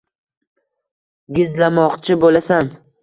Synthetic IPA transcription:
ɡʲɪzlamɒqt͡ʃʰɪbolasan

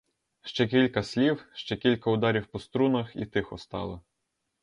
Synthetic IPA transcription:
ʃt͡ʃɛkʲilʲkɐsʲlʲiwʃt͡ʃɛkʲilʲkɐʊd̪ɑɾʲiwpɔst̪ɾunɐxḭt̪ɪxɔst̪ɑ̰lˠɔ

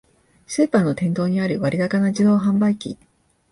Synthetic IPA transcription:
seːpãnːo̞t̪ẽ̞nt̪o̞ːɲ̟iaɾɯ̟βaɾʲid̪akanaʑid̪o̞ːɦãmbaikʲḭ

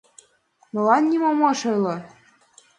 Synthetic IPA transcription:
mɤ̆lɑnːʲimɑmɑʃɤ̆jlɤ̆

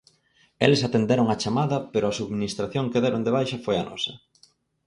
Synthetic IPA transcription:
elesat̪end̪eɾoŋɐt͡ʃamaðɐpeɾʊɐsuðminist̪ɾaθjoŋkeðɛɾoŋd̪eβ̞ajʃɐfojanɔ̰sɐ

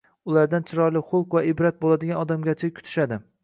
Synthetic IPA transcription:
ʊlˠaɾd̪ant͡ʃʰɪɾɒɾlɪχʊlˠqvaɪbɾat̪̚bolˠad̪ɪɡʲanɒd̪amɡʲat͡ʃʰakʲʰʊ̥t̪ʰɪ̥ʃad̪ɪ

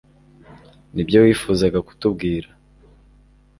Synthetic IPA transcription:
nibjo̞wiːfuːzaɡaku̥tubɡiːɾa

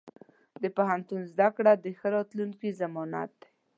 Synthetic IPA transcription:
d̪əpaɦant̪unzd̪akɽad̪əxəɾɑt̪luŋkizamɑna̰t̪̚

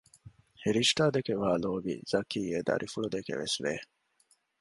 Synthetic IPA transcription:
hiɾiʃʈaːd̪ekeʋaːloːbḭz̥ɐkiːeːd̪ɐ̰ɾʔifuɭud̪ekḛʋesʋḛː

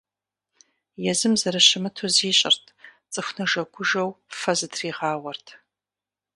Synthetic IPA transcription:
jɛzɨmzɐɾɐɕɪmɨtʰoziːɕʼɪ̰rtʰt͡sʼɨxʷnɐʒɐɡʷʰʊʒɐwfɐzɨtʰriːʁɑːwɐrtʰ

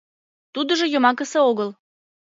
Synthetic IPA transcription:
t̪ud̪ə̆ʒojomɑkəseoɣəl

